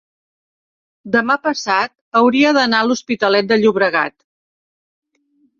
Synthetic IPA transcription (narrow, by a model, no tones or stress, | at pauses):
d̪əmapəsat̪ | əwɾiəðənaluspit̪əlɛt̪̚d̪əʎuβɾəɣat̪